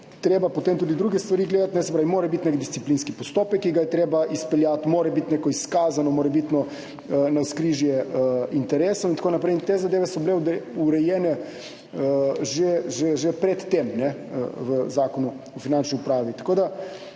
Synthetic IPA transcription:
t̪ɾeːbapɔt̪eːmt̪uːd̪id̪ɾuːɡɛst̪ʋaɾiːɡleːd̪at̪nɛsɛpɾaːʋimoːɾɛbit̪nekd̪ist̪iplinskipɔst̪oːpɛkːiɡajɛt̪ɾeːbaispɛljaːt̪moːɾɛbit̪nekɔiskaːzanɔmoːɾɛbit̪nɔ | ənaskɾiʒjɛəint̪ɛɾeːsowint̪akoːnapɾɛjint̪eːzad̪eːʋɛsɔbleud̪ɛuɾɛjɛːnɛ | əʒɛʒeʒepɾɛt̪ːemnɛə̰ʋəzaːkɔnu | ɔfinant͡ʃniupɾaːʋit̪ɐ̥koːd̪a

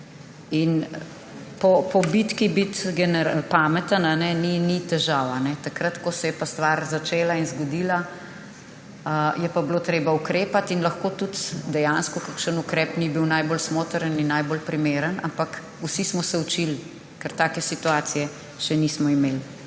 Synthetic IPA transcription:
in | pɔpɔbit̪kibit̪ɡɛnɛɾpamɛt̪ənanɛninit̪ɛʒaːwanɛt̪akɾɐt̪kɔsɛjɛpast̪ʋaɾzat͡ʃeːlainzɡɔd̪ila | əjɛpabloːt̪ɾeːbaukɾeːpat̪inlɐxkoːt̪ut̪d̪ɛjanskɔkakʃənukɾɛpnibiwnajbolsmoːt̪əɾəninːajbolpɾimeːɾənampak | usismɔsɛut͡ʃil | kɛɾt̪aːkɛsit̪uaːt̪sijɛ | ʃɛnismɔimeːl

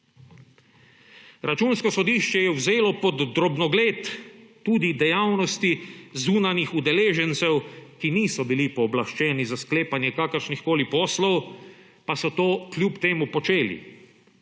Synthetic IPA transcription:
ɾat͡ʃuːnskɔsɔd̪iːʃt͡ʃɛjɛwzeːlɔpɔd̪ːɾɔbnɔɡleːt̪ː | uːd̪id̪ɛjaːwnɔst̪izuːnanjixud̪ɛleːʒɛnt̪sɛwkiniːsɔbilipɔːblaʃt͡ʃɛːnizaskleːpanjɛkaːkəɾʃnixkoːlipɔːslɔw | pasɔt̪oːklʲjupt̪eːmupɔt͡ʃeːlḭ

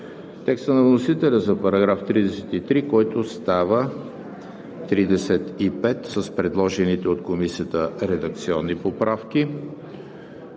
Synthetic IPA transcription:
t̪ɛkst̪ənɐvnosit̪ɛlʲəzɐpɐɾɐɡɾaft̪ɾid̪ɛsɛ̥t̪it̪ɾikɔjt̪ost̪avə | t̪ɾid̪ɛsɛt̪ipɛt̪səspɾɛd̪lˠɔʒɛnit̪ɛot̪komisiət̪əɾɛd̪ɐk̚t̪siɔnːipopɾafk̟i

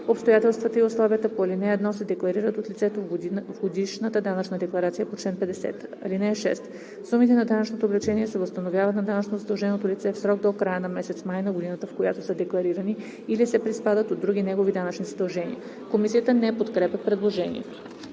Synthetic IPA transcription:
opst̪ojat̪ɛlˠst̪vɐt̪əioslˠavijət̪əpoɐlinɛɛd̪nɔsɛd̪ɛklˠɐɾiɾət̪ot̪lʲit̪sɛt̪ovɡod̪iʃnət̪əd̪anət͡ʃnəd̪ɛklˠɐɾat̪sijəpot͡ʃlɛnpɛd̪ɛsɛ̰t̪ɐ̰linɛːʃɛ̰st̪ | sumit̪ɛnɐd̪anət͡ʃnot̪oːblɛt͡ʃɛniɛsɛvəst̪ɐnovʲjavɐt̪nɐd̪anət͡ʃnozɐd̪ɐlˠʒɛnot̪olit̪sɛfsɾɔɡ̚d̪okɾajənɐmɛsɛt̪smajnɐɡod̪inət̪əfkojat̪osəd̪ɛklˠɐɾiɾɐni | ilisɛpɾispad̪ət̪od̪ːɾuɡ̟ʲinɛɡovid̪anət͡ʃnizɐd̪ɐlˠʒɛnḭə | komisijət̪ənɛpot̪kɾɛpɛpɾɛd̪lˠoʒɛnḭɛ̰t̪o̥

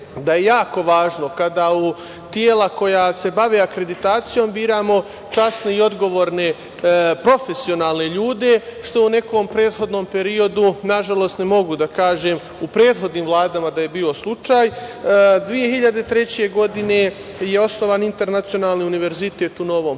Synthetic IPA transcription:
d̪aje̞jaːko̞ʋaːʒno̞kad̪au | t̪jeːlako̞jase̞baʋeakɾe̞d̪it̪aːt̪sijoːmbiːɾaːmo̞ | t͡ʃasne̞io̞d̪ɡo̞ʋoːɾne̞ | pɾo̞fe̞sio̞naːlˠne̞ʎuːd̪e̞ʃt̪o̞une̞kompɾe̞ːd̪xo̞d̪no̞ːmpe̞ɾio̞d̪unaʒalˠo̞ːst̪nemo̞ɡud̪akaːʒe̞ːm | upɾe̞ːd̪xo̞d̪niːmvlˠaːd̪amad̪aje̞biːo̞slˠut͡ʃaːj | d̪ʋije̞hiʎad̪e̞t̪ɾe̞t͡ɕe̞ɡo̞d̪ine̞ | je̞o̞sno̞ʋaːnint̪e̞ɾnat̪sio̞naːlˠniuniʋe̞ɾzit̪e̞ːt̪uno̞ʋo̞ːm

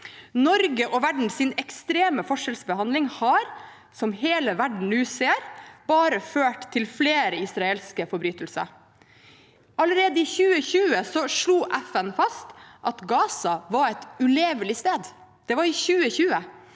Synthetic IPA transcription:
nɔɾɡəʔɔʋæɖɳ̩sɪnɛkst̪ɾeːməfɔʂɛlsbəhɑnd̪lɪŋhɑːɾ | sɔmheːləʋæɖɳ̩ʉːseːɾb̥ɑːɾəføːʈt̪ʰːɪlfleːɾəɪsɾɑɛlskəfɔɾbɾyːt̪əlsə̰ | ʔɑləɾeːd̪əɪçʉːəçʉːəsɔʂɭuːʔæfɛnfɑst̪ʔɑt̪ɡɑːsɑʋɑɾɛt̪ʉleːʋəlɪst̪eːd̪ | d̪̥ɛʋɑɾɪçʉːəçʉːə

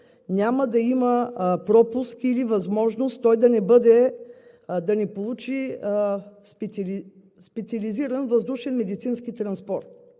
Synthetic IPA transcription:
nʲaməd̪ɐiməpɾɔpuskilivɐzmɔʒnost̪t̪ːɔjd̪ɐnɛbɤd̪ɛ | d̪ɐnɛpolˠut͡ʃi | sp̪li | spɛt̪siɐliziɾənvɐzd̪uʃɛnmɛd̪it̪sinskit̪ɾɐnspɔɾt̪̚

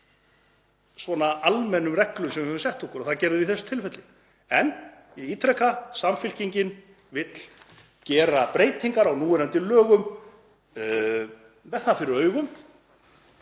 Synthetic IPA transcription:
svɔnaalmɛnːʏmrɛklʏsɛmvɪhœvʏmsɛht̪ɔkʊɾɔθaðcɛːɾðʏɪviθɛsʏ̥t̪ʰɪlfɛt̪lɪ | ɛn | iiːt̪ʰɾɛkːasamfɪl̥ciɲcɪn | vɪt̪l̥ | cɛːɾapɾeːjt̪iŋkaɾawnuːʏɾɛnt̪ɪlœːɣʏm | vɛθafɪɾɪɾœːɥɣʏm

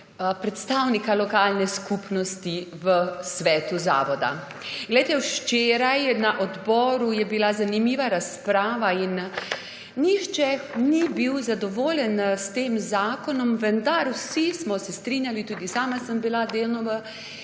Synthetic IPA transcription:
pɾɛt̪st̪awnikalɔkaːlnɛskupnɔst̪iʋəsʋɛːt̪uza̰ːʋɔd̪a̰ | ɡlɛjt̪ɛwʃt͡ʃeːɾajnaʔɔd̪bɔːɾujɛbilazanimiʋaɾaspɾaːʋainː | iʃt͡ʃɛnibiwzad̪ɔʋoːlʲjɛnst̪eːmzaːkɔnɔmʋənd̪aɾwsismɔsɛst̪ɾinjalit̪uːd̪isaːmasəmbilad̪eːlnɔʋə

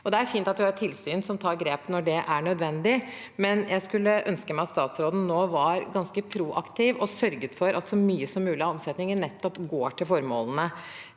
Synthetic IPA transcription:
ɔd̪ɛæɾfiːnt̪ɑt̪̚d̪ʉhɑʈʰɪlsyːnsɔmt̪ʰɑːɾɡɾeːpnɔɖɛʔæɳœd̪ʋɛnd̪ɪ | mɛnjʔæɪskʉlːəʔœnskəmæɪɑt̪st̪ɑːt̪sɾoːd̪n̩noːʋɑɾɡɑnskəpʰɾuːʔɑkt̪ʰɪʋɔsœɾɡət̪fɔɾʔɑ̰t̪sɔmyːəsɔmːʉːlɪɑɔmsɛt̪nɪŋəɳɛt̪ːɔpɡoːʈʰɪlfɔɾmo̰ːlənə

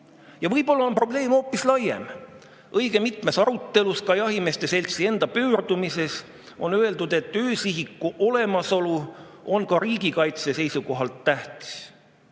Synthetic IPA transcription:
jɑvɤjbo̞lːɑo̞npro̞ble̞ːmo̞ːpːislɑjḛm | ʔɤjɡ̥e̞mit̪me̞sɑɾut̪ːe̞luskɑjɑɦime̞st̪e̞se̞lʲt̪sie̞nd̪̥ɑpøːrd̪̥umise̞s | o̞̰nøe̞ld̪ud̪̥e̞t̪ːøːsiɦikːuʔo̞le̞mɑso̞lu | o̞nkɑɾiːɡikɑjt̪se̞se̞jsuko̞ɦɑlt̪ːæht̪i̥s

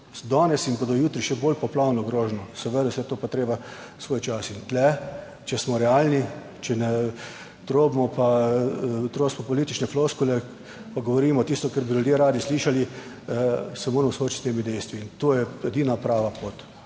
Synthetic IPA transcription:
d̪ɔːnɛsinbod̪ɔjuːt̪ɾiʃɛboːlpɔplawnɔɡɾoːʒnɔsɛʋəd̪asɛt̪oːpat̪ɾeːba | sʋoːjt͡ʃasint̪lɛ | t͡ʃɛsmɔɾɛalni | t͡ʃɛnɛ | t̪ɾoːbmɔpa | t̪ɾoːsmɔpɔliːt̪it͡ʃnɛfloskulɛ | paɡɔʋɔɾiːmɔt̪ist̪ɔkɛɾbilʲjud̪jeːɾaːd̪isliːʃali | sɛmoːɾmɔsoːt͡ʃi̥t̪t̪eːmid̪ɛjst̪ʋiːnt̪oːjɛɛd̪iːnapɾaːʋapoːt̪

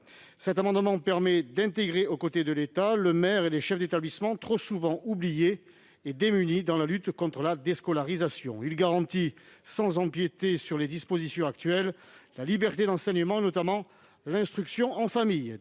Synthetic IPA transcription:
sɛt̪amɑ̃d̪əmɑ̃pɛʁmɛd̪ɛ̃t̪eɡʁeokot̪ed̪əlet̪aləmɛʁeleʃɛfd̪et̪ablismɑ̃t̪χosuvɑ̃ʔublijeː | d̪emynid̪ɑ̃lalyt̪kɔ̃t̪χəlad̪eskɔlaʁizasjɔ̰̃ilɡaʁɑ̃t̪isɑ̃zɑ̃pjet̪esyʁled̪ispozisjɔ̃akt̪ɥɛlːalibɛʁt̪ed̪ɑ̃sɛɲəmɑ̃enɔt̪amɑ̃ | lɛ̃st̪χyksjɔ̃ʔɑ̃famij

